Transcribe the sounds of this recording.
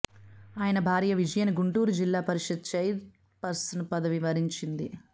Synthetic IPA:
aːjɐnɐbʱaːɾijɐʋid͡ʒɐjɐniɡuɳʈuːɾud͡ʒilːaːpɐɾiʂɐd̪̚t͡ʃɐjd̪ | pɐɾsɐnɐpɐd̪ɐʋiʋɐɾiɲt͡ʃind̪i

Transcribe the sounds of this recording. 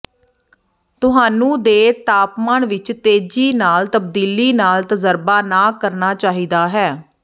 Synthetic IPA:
t̪ʊɦaːnũːd̪eːt̪aːpmaːɳʋɪt͡ʃt̪eːd͡ʒiːnaːlt̪əb̚d̪iːliːnaːlt̪əzəɾbaːnaːkəɾnaːt͡ʃaːɦiːd̪aːɦɛː

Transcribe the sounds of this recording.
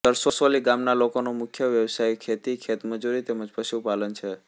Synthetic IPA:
səɾsosoliɡamnalokonomʊkʰjəʋjəʋsajkʰet̪ikʰet̪məd͡ʒuɾit̪eməd͡ʒpəʃupalənt͡ʃʰe

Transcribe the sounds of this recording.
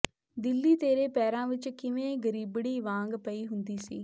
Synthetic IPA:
d̪ɪlːiːt̪eːɾeːpɛːɾãːʋɪt͡ʃkɪʋẽːɡəɾiːbɽiːʋãːŋɡpəiːɦʊnd̪iːsiː

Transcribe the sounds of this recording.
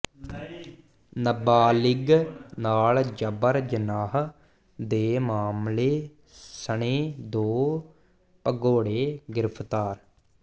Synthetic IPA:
nəbaːlɪɡnaːld͡ʒəbəɾd͡ʒənaːɦ | d̪eːmaːmleː | səɳeːd̪oː | pəɡoːɽeːɡɪɾəpʰt̪aːɾ

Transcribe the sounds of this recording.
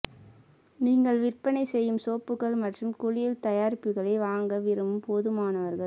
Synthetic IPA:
niːŋɡɐɭʋɪrpɐnɐɪsɛjːɯmsoːpːɯɣɐɭmɐʈrɯmkʊɻɪjɪlt̪ɐjaːɾɪpːɯɣɐɭɐɪʋaːŋɡɐʋɪɾɯmɯmpoːðɯmaːnɐʋɐɾɣɐɭ

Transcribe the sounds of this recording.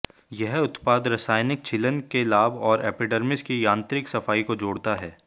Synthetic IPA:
jɐɦʊt̪paːd̪ɾɐsaːjnɪk̚t͡ʃʰɪlənkelaːbɔːɾɛːpɪɖəɾmɪskijãːnt̪ɾɪksɐfaːikod͡ʒoːɽt̪aɦɛː

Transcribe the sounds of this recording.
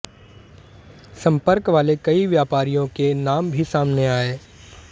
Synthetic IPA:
sɐ̃mpəɾkʋaːlekɐiʋjaːpaːɾijõkenaːmbʱisaːmneaːeː

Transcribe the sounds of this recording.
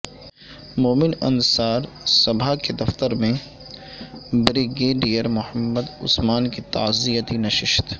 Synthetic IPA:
moːmɪnɐnsaːɾ | sɐbʱaked̪ɐft̪əɾmẽ | bɾɪɡeːɖijəɾmʊhəmːəd̪ʊ̰smaːnkit̪a̰ːzijət̪inɐʃɪʃt̪

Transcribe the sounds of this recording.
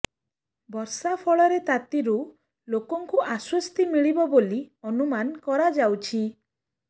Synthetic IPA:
bɔɾsapʰɔɭɔɾet̪at̪iɾu | lokɔŋkuʔaswɔst̪imiɭibɔboliɔnumankɔɾad͡ʒawt͡ʃʰi

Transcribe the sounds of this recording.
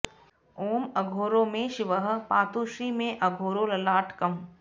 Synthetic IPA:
oːmɐɡʱoːɾõːmẽʃɪʋəɦpaːt̪uːʃɾiːmẽʔɐɡʱoːɾolɐlaːʈkɐm

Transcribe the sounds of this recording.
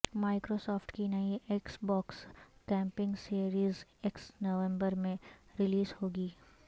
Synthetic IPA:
maːɪkɾoːsɔːfʈkinɐieksbɔːkskɛ̃ːmpɪ̃ŋɡseːɾiːzeksnoʋɛ̃mbəɾmẽɾɪliːzhoːɡiː

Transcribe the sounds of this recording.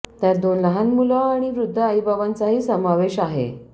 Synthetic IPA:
t̪jaɾd̪onləɦanmulɔaɽ̃iʋɾud̪ʱːəaibaʋant͡saɦiːsəmaʋeɕaɦḛ

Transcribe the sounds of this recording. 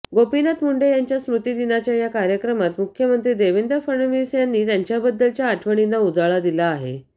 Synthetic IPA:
ɡopinat̪muɳɖejaɲt͡ɕjasmɾut̪iːd̪inat͡ɕjajakaɾjəkɾəmat̪mukʰːjəmənt̪ɾiːd̪eʋind̪əfəɳəʋisjanːiːt̪jaɲt͡ɕjabəd̪ːəlt͡ɕjaːʈʰʋəɳ̃inːaud͡zaɭad̪ilaːɦḛ

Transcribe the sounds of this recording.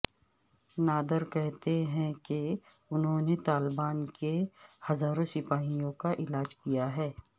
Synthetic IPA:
naːd̪əɾkɛɦt̪eɦɛ̃ke | ʊnɦõnet̪aːlbaːnkehɐzaːɾõsɪpaːɦijõkaʔɪlaːd͡ʒkijaɦɛː

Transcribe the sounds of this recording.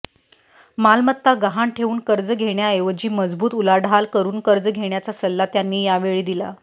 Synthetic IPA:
malmət̪ːaɡaɦaɳʈʰeʋuːnkəɾd͡zəɡʱeɳjaeʋəd͡ʑiːməd͡zbuːt̪ulaɖʱalkəɾuːnkəɾd͡zəɡʱeɳjat͡sasəlːat̪janːiːjaʋeɭiːd̪ila̰

